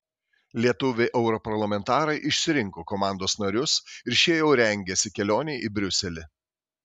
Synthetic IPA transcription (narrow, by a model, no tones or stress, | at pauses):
lʲiɛt̪ʊʋʲeʔɛʊɾɔpɐɾlˠɐmʲɛnt̪ɑːɾɐɪʔɪʃʲsʲɪɾʲɪŋkoːkɔmɑˑnd̪oːsnɐɾʲʊsɪɾʃʲiɛjɛʊɾʲɛŋʲɡʲɛsʲɪkʲɛlʲoːnʲeːʔibʲɾʲʊsʲɛlʲɪ